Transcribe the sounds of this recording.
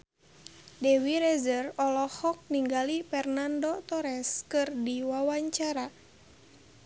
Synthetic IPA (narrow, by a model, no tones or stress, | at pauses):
dɛwiɾɛzərɔlɔhɔk̚niŋɡalipɛrnandɔt̪ɔɾɛskɨrdiwawaɲt͡ʃaɾa